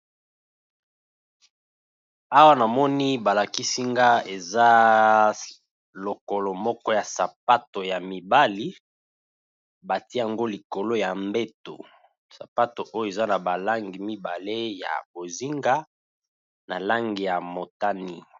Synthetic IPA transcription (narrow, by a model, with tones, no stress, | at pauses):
a˦wa˦na˨mɔ˦ni˦ba˨la˨ki˦si˦ŋɡa˦e˨za˦ | lo˨ko˨lɔ˨mɔ˦kɔ˦ja˨sa˨p̚a˦to˨ja˨mi˨ba˦li˦ | ba˨ti˦a˨ŋɡo˦li˨ko˨lo˦ja˨mbe˦to˨ | sa˨pa˦to˨ʔo˦jo˦e˨za˦na˨ba˨la˦ŋɡi˨mi˦ba˨le˦ja̰˨bo˨zi˦ŋɡa˦ | na˨la˦ŋɡi˨ja˨mo˨ta˦ni˦